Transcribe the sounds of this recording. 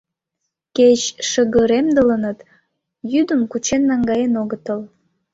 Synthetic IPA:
ket͡ɕʃəɣəɾemd̪ələnət̪ | jyd̪əmkut͡ɕenːɑŋɡɑjenoɣət̪əl

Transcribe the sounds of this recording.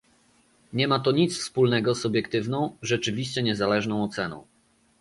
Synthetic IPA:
ɲɛmat̪ɔɲit̪sfspulnɛɡɔsubʲjɛkt̪ɘvnɔ̃w̃ʐɛt͡ʂɘvʲiɕt͡ɕɛɲɛzalɛʐnɔ̃w̃ɔt̪sɛnɔ̰̃w̃

